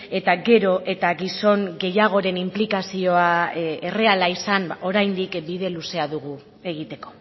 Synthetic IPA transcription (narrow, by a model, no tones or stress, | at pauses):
e̞t̪aɡe̞ɾo̞ʔe̞t̪aɣiso̞ŋɡe̞jaɣ̞o̞ɾe̞nimplikasio̞aere̞alaisano̞ɾajnd̪ikbiðe̞luse̞aðuɣu | e̞ɣ̞it̪e̞ko̞̥